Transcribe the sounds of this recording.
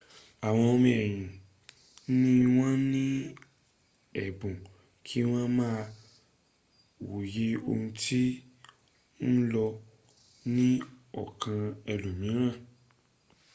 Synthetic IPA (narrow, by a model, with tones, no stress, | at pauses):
a˨w̃ɔ̃˧o˧mĩ˧ɛ˨j̃ĩ˨˦ | nĩ˦w̃ɔ̃˦nĩ˦ | ɛ˨bũ˨ | kʰi˦w̃ɔ̃˦mãː˦˧ | wo˨je˨˦o̰˧ũ˧tʰi˦ | n̩˦lɔ˧ | nĩ˦ɔ̰˨kʰã˧ɛ˧lu˨mĩ˨˦ɾ̃ã˦˨